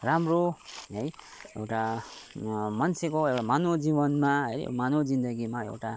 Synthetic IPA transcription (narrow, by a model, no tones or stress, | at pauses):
ramroɦʌj | ḛwʈa | mʌnsʰekoewʈamanod͡zibʌnmaɦʌɾ̰manod͡zind̪ʌɡimaḛwʈa